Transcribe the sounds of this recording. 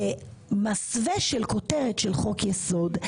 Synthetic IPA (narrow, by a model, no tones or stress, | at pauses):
emasveʃelko̞teʁetʃelχo̞kjeso̞d